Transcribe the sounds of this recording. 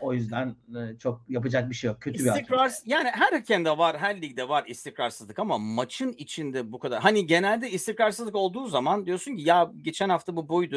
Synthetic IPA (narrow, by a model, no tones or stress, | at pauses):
o̞jyzd̪ænːt͡ʃʰo̞k̚japad͡ʒak̚biʃejok̚cʰːø̞t̪sʰybiaikɾaɾsjaːniɦæɾhacʰɛmd̪ɛvaɾɦæɾlʲiɟd̪ɛvaɾist̪ʰikɾaɾsɯzˠɯkamamat͡ʃʰɯnit͡ʃʰind̪ɛbukʰad̪aɾɦaniɟe̞nælʲd̪ɛist̪ikɾaɾsɯzlˠɯko̞lˠd̪uːzamand̪ijo̞ɾsuncijaɟe̞t͡ʃʰænhaft̪ʰabubojd̪u